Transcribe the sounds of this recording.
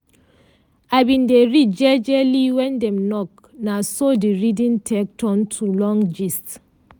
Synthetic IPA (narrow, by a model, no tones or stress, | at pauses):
abĩndeɹit̚d͡ʒɛd͡ʒɛliwɛ̃ndɛ̃mnɔk̚ | nasodiɹidĩntʰɛk̚tʰɔ̃ntʰulɔ̃ŋd͡ʒist